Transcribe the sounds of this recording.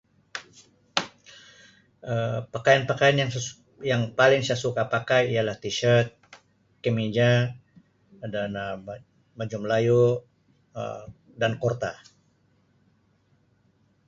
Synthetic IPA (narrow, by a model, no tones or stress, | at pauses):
əpakajanpakajanjaŋ | jaŋpalɪŋsasukapakahijalaht̪iʃərt̪̚ | kəmid͡ʒa | danə | mad͡ʒumlaju | ə̰ | dankɔrt̪a